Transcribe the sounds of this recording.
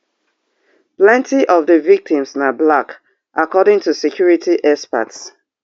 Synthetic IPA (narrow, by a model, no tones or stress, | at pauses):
plɛ̃ntʰiʔɔvðəvik̚tʰĩmsnablak | ʔakɔɾɪ̃ŋtusɛkʰjuɹitiʔɛspa̰ts